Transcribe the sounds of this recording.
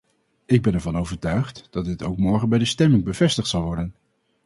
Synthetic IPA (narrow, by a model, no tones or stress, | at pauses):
ɪɡ̚bɛnɛɹvɑnowvəɹtœɥχtd̥ɑt̚dɪtowkmɔɹχənbɛjdəstɛmɪŋbəv̥ɛstəχtsɑlˠʋɔɹdən